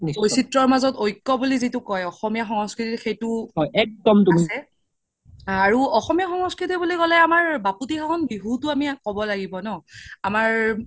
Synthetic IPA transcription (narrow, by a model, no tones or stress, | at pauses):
niojsitɹɔɹmazɔtojkːɔbulizitʊkɔjɔxɔmijaxɔŋɔskɹitixejtʊɦɔjʔɛk̚dɔmtuamisɛ | aɹuɔxɔmijaxɔŋɔskɹitibulikɔlɛamaɹbaputixaɦɔnbiɦutʊamikɔbɔlaɡibɔnɔamaɹ